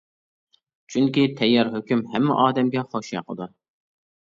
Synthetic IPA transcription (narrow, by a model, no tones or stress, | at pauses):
t͡ʃʰyŋkʲit̪ʰɛjːɑɾɦøkʲymhɛmːɛ̰ʔɑːd̪ɛmɡʲɛχoʃjɑ̰qəd̪ʊ